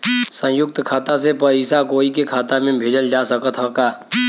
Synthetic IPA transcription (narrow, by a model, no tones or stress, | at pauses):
sə̃jʊk̚t̪kʰaːt̪as̬epəiːsakoːik̬ekʰaːt̪amẽbʱeːd͡ʒəld͡ʒasəkət̪ɦəkaː